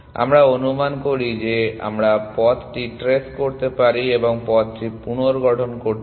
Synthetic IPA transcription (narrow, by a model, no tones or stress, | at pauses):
a̰mɾaonumankoɾid͡ʑea̰mɾapɔt̪ʈiʈɾeskoɾt̪epaɾieboŋpɔt̪̚ʈipunoɾɡɔʈʰonkoɾt̪